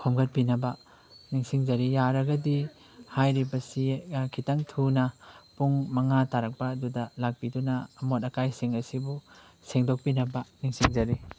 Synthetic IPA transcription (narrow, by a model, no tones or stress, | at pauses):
kʰomɡɐt̚pinɐbɐ | niŋsiŋzɐɾijaɾɐɡɐdi | hajɾibɐsikʰitaŋtʰunɐpuŋmɐŋataɾɐk̚pɐːdudɐlak̚pidunɐːmotɐkajsiŋɐsibu | seŋdok̚pinɐbɐniŋsiŋzɐɾi